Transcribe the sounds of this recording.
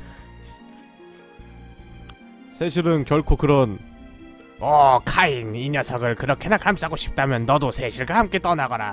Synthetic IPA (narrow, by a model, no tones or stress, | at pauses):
sʰeɕʰiɾɯnkjʌɭkʰokɯɾʌn | ʌkʰaiŋiɲasʰʌɡɯɭkɯɾʌkʰenakham͈iɦaɡoɕʰi̥p̚t͈amjʌnːʌdosʰeɕʰiɭɡwahamk͈e̞t͈ʌnaɡʌna̰